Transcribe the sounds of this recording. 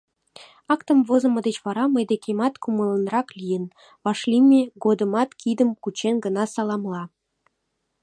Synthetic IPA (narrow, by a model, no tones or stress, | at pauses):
ɑkt̪ə̆mvozɤ̆mɤ̆d̪et͡ɕβɑɾɑməjd̪ekʲʰemɑt̪kumɤ̆lˠə̆nrɑklʲijən | βɑʃlʲimʲeɡod̪ə̆mɑt̪kʲʰid̪ə̆mkut͡ɕenɡə̆nɑsɑlˠɑmlˠɑ